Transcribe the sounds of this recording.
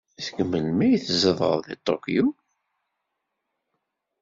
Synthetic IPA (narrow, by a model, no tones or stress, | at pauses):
θəɡmːəlmæjəθzəðˤə̰ðˤðit̪ˤːo̰kju